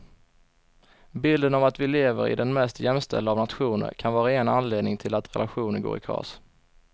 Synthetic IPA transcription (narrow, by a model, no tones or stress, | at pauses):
bɪld̪ənɔvat̪vɪleːvəɾɪ̰d̪ɛnmɛst̪jɛmst̪ɛ̰ld̪əavnat̪ɧuːnə̰ɾkʰanvɑːɾaeːənanleːd̪nɪŋt̪ʰɪlat̪ɾɛ̰lʔaɧuːnənɡo̰ːɾɪkʰɾɑ̰ːs